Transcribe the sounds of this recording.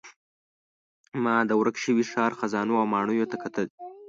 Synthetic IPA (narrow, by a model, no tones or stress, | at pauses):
mɑd̪əwɾakʃəwiʃɑːɾxazɑnoawmɑɳ̃ujot̪akat̪əl